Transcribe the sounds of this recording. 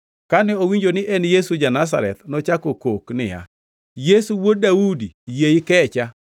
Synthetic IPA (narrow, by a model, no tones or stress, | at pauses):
kanɛowiɲd͡ʒonɪʔɛnjesud͡ʒanas̬a̰ɾɛ̰t̪nɔt͡ʃakokoknɪ̰ja̰ | jesuwodaudijeɪkɛt͡ʃa